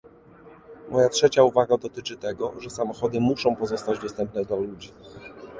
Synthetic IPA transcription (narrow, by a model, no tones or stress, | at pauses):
mʔɔjatʂɛt͡ɕauvaɡad̪ɔt̪ɘt͡ʂɘt̪ɛɡɔ̰ʐɛsamɔxɔd̪ɘmuʂɔ̃w̃pɔzɔst̪ad͡ʑd̪ɔst̪ɛmp̚nɛd̪lalud͡ʑi